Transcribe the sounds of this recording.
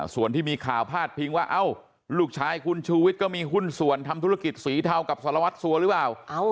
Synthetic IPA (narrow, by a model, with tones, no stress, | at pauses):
su˨˩ənt̪iː˥˩miː˧kʰaː˨˩wpʰaː˥˩t̪̚pʰi˧ŋwaː˥˩ʔa˧˩w | luː˧˩k̚t͡ɕʰaː˧jkʰu˧nt͡ɕʰuː˧wi˦˥t̪̚kɔː˥˩miː˧ɦu˥˩nsu˨˩ənt̪ʰa˧mt̪ʰu˦˥ɾa˧ki˨˩t̪̚siː˨˩˦t̪ʰa˧wka˨˩p̚sa˨˦˥ɾa˧wa˦˥t̪̚su˧˦ɐɾɯ˦˥plaː˨˩wʔa˧˥